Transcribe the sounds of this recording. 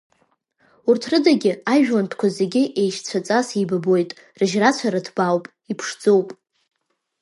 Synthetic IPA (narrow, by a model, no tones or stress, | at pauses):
urtʰrɨdaɡʲɪaʒᶣwantʰkʷʰazeɡʲɪʔe̞jʃt͡sʷʰat͡sʼasijbabo̞jtʼ | rɨʒrat͡ɕʷʰaɾadʰbawpʼ | ipʰʂd͡zowpʼ